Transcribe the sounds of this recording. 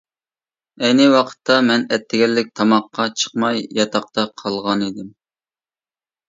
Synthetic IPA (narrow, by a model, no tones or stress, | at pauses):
ɛjnɪwɑqʰə̥t̪ʰːɑmɛnɛt̪ʰːɪɡʲɛlːɪk̚ʲt̪ʰɑmɑqːɑt͡ʃʰə̥qmɑjjɑt̪ʰɑq̚t̪ʰɑqʰɑlˠʁɑnid̪ɪm